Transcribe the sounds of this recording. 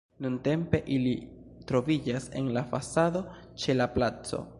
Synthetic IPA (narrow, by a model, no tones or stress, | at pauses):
nunte̞mpe̞ʔili | tɾo̞vid͡ʒase̞̰nlafasado̞ | t͡ʃe̞laplat͡so̞̰